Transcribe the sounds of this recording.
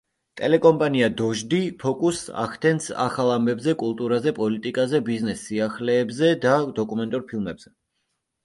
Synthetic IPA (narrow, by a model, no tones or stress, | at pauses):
t̪ʼɛlɛkʼɔmpʼaniad̪ɔʒd̪ipʰɔkʼusa̰χt̪ʰɛnsa̰χalˠambɛbzɛkʼulˠt̪ʼuɾazɛpʼɔlit̪ʼikʼazɛbiznɛsːiaχlɛːbzɛd̪ad̪ɔkʼumɛnt̪ʼuɾpʰilˠmɛbz̥ɛ